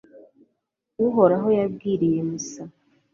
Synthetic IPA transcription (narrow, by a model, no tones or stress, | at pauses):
uɦoɾaɦojaɡiɾijemusa